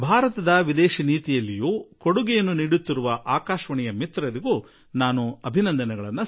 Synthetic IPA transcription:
bʱaːɾɐt̪ɐd̪ɐʋid̪ɛːʃiniːt̪ijɐlːijuːkoɽuɡɛjɐnːuniːɽut̪ːiɾuʋɐʔaːkaːʃʋɐɳɛjɐmit̪ɾɐɾiɡuː | naːnuɐbʱinɐnd̪ɐnɛɡɐɭɐnːɐ

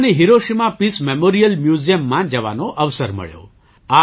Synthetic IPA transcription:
neɦiɾoʃimapismemoɾijəlmjuzijəmːãd͡ʒəʋa̰noʔəʋsəɾmə̰ɭjo̰ | a

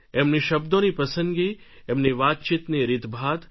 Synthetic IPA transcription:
emniʃɐb̚d̪õnipɐsə̃ŋɡi | emniʋaːt̪t͡ʃit̪niɾɪd̪bʱaːd̪

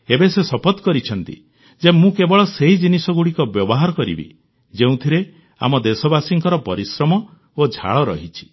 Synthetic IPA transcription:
ebesesɔpɔt̪kɔɾit͡ʃʰɔnt̪ḭ | d͡ʒemũkebɔɭɔseɦid͡ʒinisɔɡuɽikɔbjɔbɔɦaɾɔkɔɾḭbḭ | d͡ʒeũt̪ʰiɾe | a̰mɔd̪esɔbasiŋkɔɾɔpɔɾisɾɔmɔ | od͡ʒʱa̰ɭɔɾɔ̰ɦit͡ʃʰi̥

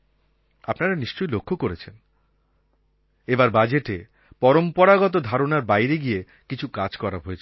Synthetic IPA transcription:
apnaɾaniʃt͡ɕojlokʰːokoɾet͡ɕʰen | ebaɾbad͡ʑeʈe | pɔɾompɔɾaɡɔt̪̬od̪ʱaɾonaɾbajɾeɡie | kit͡ɕʰukad͡ʑkɔɾabɦoet͡ɕʰ

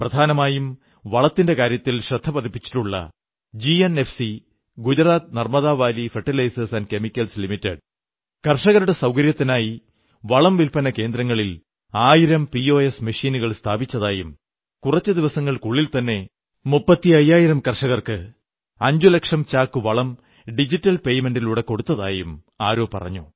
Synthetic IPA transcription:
prɐd̪ʱaːnɐmaːjum | ʋɐɭɐt̪ːinde̞kaːɾjɐt̪ːilɕrɐd̪ʱːɐpɐðipːi̥t͡ɕːi̥ʈːuɭːɐ̰ | d͡ʑienefsi | ɡud͡ʑɐɾaːt̪̚nɐrmɐðaːʋaːlifeʈːilɐjsɐsɐnɖke̞mikʲːɐlslimitːeɖ | kɐrʂɐɣɐɾuɽe̞sɐwkɐɾjɐt̪ːinaːji | ʋɐɭɐmʋilpɐnɐke̞ːnd̪ɾɐŋːɐɭil | aːjiɾɐmpio̞ːesmɐʂiːnuɣɐɭst̪ʰaːbit͡ɕːɐðaːjum | kurɐt͡ɕːɨd̪iʋɐsɐŋːɐɭkuɭːilt̪ɐnːe̞ | mupːɐt̪ːiɐjːaːjiɾɐmkɐrʂɐɣɐrkɨ | ɐɲd͡ʑulɐkʂɐmt͡ɕaːkːɨʋɐɭɐm | ɖid͡ʑitːɐlpe̞jme̞nɖiluɽeko̞ɽut̪ːɐða̰ːjum | a̰ːɾo̞ːpɐ̰rɐ̰ɲːṵ

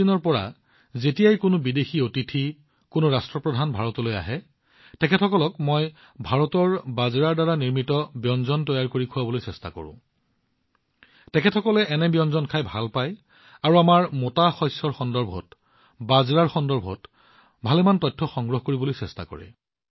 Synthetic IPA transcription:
inɔɹpɔɹa̰ | zetijajkʊnʊbidexiotitʰi | kʊnʊɹastɹɔpɹɔdʱanbʱaɹɔtɔloja̰ɦɛ | tɛkʰɛtʰɔkɔlɔkmoj | bʱaɹɔtɔɹbazɹaɹdaɹaniɹmitɔbjɔnzɔntɔjaɹkoɹikʰuwabɔlojsɛsta̰kɔ̰ɹʊ̰̃ | tɛkʰɛtʰɔkɔlɛʔɛnɛbjɔnzɔnkʰajbʱalpaj | aɹuamaɹmotaxɔjsɔɹxɔndɔɹbʱɔ̰t | bazɹaɹxɔndɔɹbʱɔ̰t | bʱalɛmantɔj̚tʰːɔxɔŋɡɹɔɦɔkoɹibolojsɛsta̰kɔ̰ɹɛ̰

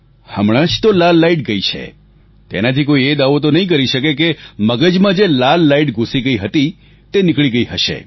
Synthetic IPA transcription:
həmɽ̃ãʃt̪olalːaiʈ̚ɡəit͡ʃʰḛ | t̪ḛnat̪ʰikoied̪aʋot̪̬onəɦĩk̬əɾiʃəkekeməɡəd͡ʒmãd͡ʒelalːaiʈɡʱũsiɡəiɦət̪i | t̪enɪkɭiɡəiɦəʃḛ

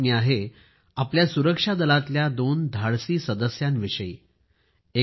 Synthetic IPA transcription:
miaɦe | apljasuɾəkʂad̪əlat̪ljad̪ond̪ʱaɽsiːsəd̪əsjãnʋiʂəi | e

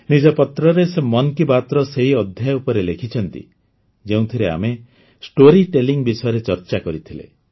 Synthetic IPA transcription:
nid͡ʒɔpɔt̪ɾɔɾesemɔnkibat̪ɾɔseɦiɔd̪ʱjajupɔɾelekʰit͡ʃʰɔnt̪ḭ | d͡ʒeũt̪ʰiɾea̰me | sʈoɾiʈeliŋbisɔjɔɾet͡ʃɔɾt͡ʃakɔɾit̪ʰilḛ

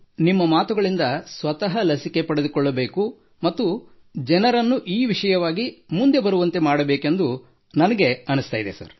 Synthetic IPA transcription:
nimːɐmaːt̪uɡɐɭind̪ɐsʋɐt̪ɐɦɐlɐsike̞pɐɽe̞d̪ukɔɭːɐbe̞ːku | mɐt̪ːu | d͡ʒɛnɐɾɐnːuʔiːʋiʂɐjɐʋaːɡimund̪e̞bɐɾuʋɐnt̪e̞maːɽɐbeːke̞nd̪u | nɐnɐɡe̞ɐnust̪aːjid̪e̞̰sɐ̰ɾ

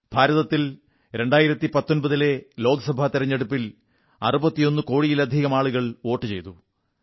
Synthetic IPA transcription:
b̥ʱaːɾɐðɐt̪ːil | ɾe̞ɳɖaːjiɾɐt̪ːipɐt̪ːo̞nbɐðile̞lo̞ːɡɐsɐbʱat̪iɾɐɲːe̞ɽupːil | ɐ̰rubɐt̪ːijo̞nːɨko̞ːɻijilɐd̪ʱiɣɐmaːɭuɣɐɭo̞ːʈːɨt͡ɕe̞̰jt̪u

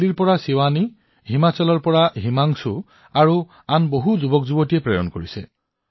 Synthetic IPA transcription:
liɹpɔɹasiwani | ɦimat͡ʃɔlɔɹpɔɹaɦimaŋsʊ | aɹu | anboɦuzubɔkzubɔtijɛpɹɛjɔ̰nkoɹisɛ̰

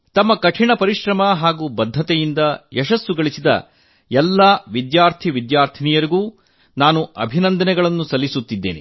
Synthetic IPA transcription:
t̪ɐmːɐkɐʈʰiɳɐpɐɾiʃɾɐmɐɦaːɡuːbɐd̪ʱːɐt̪ɛjind̪ɐjɛʃɐsːuɡɐɭisid̪ɐ̰ | jɛlːɐːʋid̪jaːɾt̪ʰiʋid̪jaːɾt̪ʰinijɐɾiɡuː | naːnuɐbʱinɐnd̪ɐnɛɡɐɭɐnːusɐlːisut̪ːid̪ːḛːnḭ

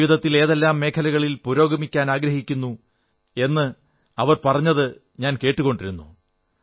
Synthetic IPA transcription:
ʋid̪ɐt̪ːile̞ːðe̞lːaːmːe̞ːkʰɐlɐɣɐɭilpuɾo̞ːɡɐmikʲːaːnaːɡɾɐhikʲːunːu | e̞nːɨ | ɐʋɐrpɐrɐɲːɐðɨ | ɲaːnke̞ːʈːuɣo̞ɳɖiɾunːṵ

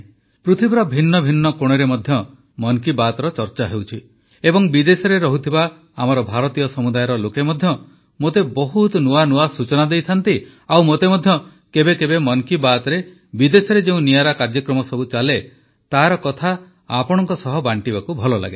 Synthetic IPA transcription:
pɾut̪ʰibɾɔbʱinːɔbʱinːɔkoɽ̃eɾemɔd̪ʱjɔ | mɔŋkibat̪ɔɾɔt͡ʃɔɾt͡ʃaɦewt͡ʃʰi | ebɔŋbid̪esɔɾeɾɔɦut̪ʰibaː | mɔɾɔbʱaɾɔt̪ijɔsɔmud̪ajɔɾɔlokemɔd̪ʱjɔ | mot̪ebɔɦut̪ɔnuanuasut͡ʃɔnad̪ejt̪ʰant̪i | awmot̪emɔd̪ʱjɔ | kebekebemɔnkibat̪ɔɾe | bid̪esɔɾed͡ʒeũnijaɾakaɾd͡ʒɔkɾɔmɔsɔbut͡ʃale | t̪aɾɔkɔt̪ʰa | apɔɽ̃ɔŋkɔsɔɦɔbaɳʈibakubʱɔlɔla̰ɡe

